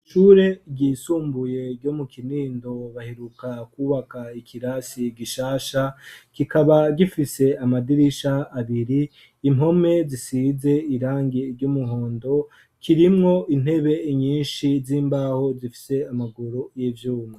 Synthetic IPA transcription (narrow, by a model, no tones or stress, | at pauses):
ʃuːɾe̞ɟisuːmbuje̞ɾɟo̞mukʰiniːndo̞βaheɾukakuːβakaikʰiɾasiɡiʃaːʃakikaβaɡifise̞amadiɾiʃaːβiɾiː | mo̞me̞zisize̞iɾaːŋɡeɾɟomuɦo̞ːndo̞ | kʰiɾimŋo̞ʔin̥he̞βe̞iɲiːnʃiziːmbaːho̞zifi̥se̞amaɡoɾojivjuːmŋe